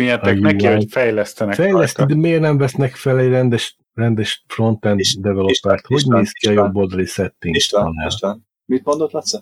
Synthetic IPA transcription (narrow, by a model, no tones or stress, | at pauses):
iɛt̪ɛknɛihofɛjlɛst̪ɛnɛfɛjlɛst̪id̪ɛmeːrnɛɱvɛsnɛkfɛlɛɟrɛnd̪ɛʃ | rɛnd̪ɛʃfro̞nt̪ɛnːd̪ɛvɛlopːɛrt̪ho̞ɟneːskiɒjobːo̞ld̪ɒlisɛt̪ːiŋnː | mit̪mond̪ot̪lɑt̪sɛ